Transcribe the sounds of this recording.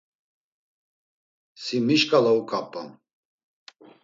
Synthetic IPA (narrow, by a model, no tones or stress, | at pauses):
simiʃkʼalaukʼapʼːa̰m